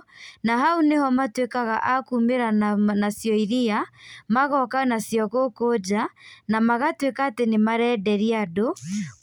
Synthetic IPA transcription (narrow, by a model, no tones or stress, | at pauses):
naɦaunehɔmatwekaɣaʔakumeɾanasjɔiɾiamaɣɔkanasjɔɣokod͡ʒanamaɣatwekaːtenemaɾɛdɛɾiado